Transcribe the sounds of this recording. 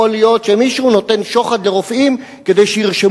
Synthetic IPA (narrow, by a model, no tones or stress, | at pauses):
olijo̞tʃemiʃuno̞t̪e̞nʃo̞χad̪leʁofʔim | ke̞d̪e̞jʃejiʁʃe